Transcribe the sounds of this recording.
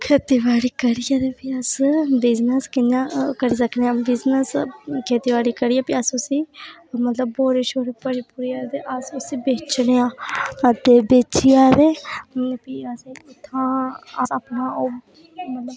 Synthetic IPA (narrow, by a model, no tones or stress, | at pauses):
kʰeːt̪iːʋaːɽiːkəɾijaːd̪epiəsbɪznəskɪnãːkəɾiːsəkʰneːãːbɪznəskʰeːt̪iːʋaːɽiːkəɾiːaːpiəsʊsiːmət̪ləb̚ːoːɾeːʃoːɾebəɽiːpuːɾiːaːt̪eʔəsʊsiːbeːt͡ʃneãːd̪eːbeːt͡ʃijaːd̪eːpiəsiːʊt̪ʰːãːəsəːpnãːoː | mət̪ləb